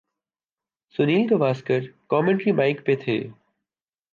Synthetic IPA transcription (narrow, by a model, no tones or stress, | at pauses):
sʊniːlk̪omaːskəɾkɔːmẽɳʈɾimaːɪkpeːt̪ʰḛː